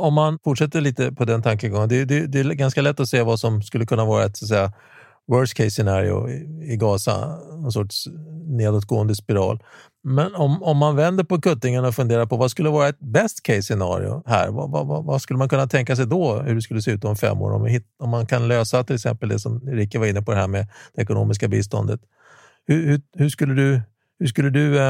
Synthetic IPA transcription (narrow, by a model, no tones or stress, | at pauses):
ɔmːanfʊʈʂɛt̪ːəɭiːt̪əpʰɔd̪ɛnt̪ʰaŋkəɡɔŋːənd̪ɛd̪ɛd̪ɛɡanskalɛt̪ːɔseːvasɔmskɵlːəkɵnːavɑːɾaɛt̪sat̪sɛjːa | wœːskʰɛɪsːɛnɑːɾɪ̰ʊ̰ɪɡɑːsa̰nɔnsɔʈʂneːd̪ot̪̚ɡoːənd̪əspɪɾɑ̰ːl | mɛnɔmɔmːanvɛnd̪əɾpɔkɵt̪ːɪŋaɳaɔfɵnd̪eːɾaɾpɔvaskɵlːəvɑːɾaɛt̪̚bɛst̪kʰɛɪsːɛnɑ̰ːɾɪ̰ʊ̰hæ̰ːɾva̰vva̰vaskɵlːəmankʰɵnːat̪ʰɛŋkas̬ɛjd̪ɔhɵɾɖɛskɵlːəseːʉ̟ːt̪ɔmfɛ̰mːo̰ːɾɔ̰mhɪt̪ɔmːankʰanløːsat̪ʰɪlɛksɛ̰mpəld̪ɛsɔmɾɪkːəvaɾɪnːəpʰɔd̪ɛhæːɾmɛd̪̥ɛɛkʊno̰ːmɪs̬kabiːs̬t̪ɔnd̪ət̪ | hɵhɵhɵʂkɵlːəd̪ɵ | hɵʂkɵlːəd̪ɵ